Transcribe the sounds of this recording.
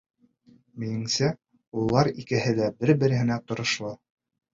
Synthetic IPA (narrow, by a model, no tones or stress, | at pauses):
mĭjɘ̆ŋsæ | ulˠːɑɾikɘ̆ɦɘ̆læbɘɾbɘ̆ɾɘ̆hɘ̆næt̪ŏɾŏʃlˠɤ